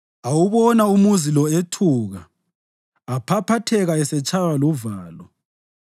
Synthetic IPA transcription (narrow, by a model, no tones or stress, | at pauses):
awuβɔnaumuzilɔetʰuɣaː | pʰapʰatʰɛɣaɛsɛt͡ʃʼawaluvaːlɔ